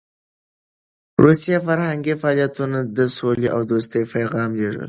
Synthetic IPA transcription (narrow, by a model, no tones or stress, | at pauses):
ɾusijafaɾhaŋɡifaɑːlijat̪unad̪əsoleʔawd̪os̬t̪əjpajɣɑmleʐə̰l